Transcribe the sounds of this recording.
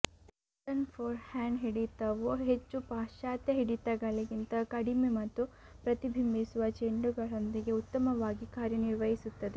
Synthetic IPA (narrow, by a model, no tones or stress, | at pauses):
sɐnpʰoːɾhaːɳɖɦiɽit̪ɐʋuɦet͡ʃːupaːʃaːt̪jɐɦiɽit̪ɐɡɐɭiɡint̪ɐkɐɽimemɐt̪ːu | pɾɐt̪ibʱimːisuʋɐt͡ʃeɳɖuɡɐɭond̪iɡe̞ut̪ːɐmɐʋaːɡikaːɾjɐniɾʋɐɦisut̪ːɐd̪e